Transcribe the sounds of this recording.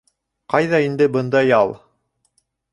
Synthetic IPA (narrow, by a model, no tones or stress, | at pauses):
qɑjðɑind̪ɘbɤ̆nd̪ɑjɑlˠ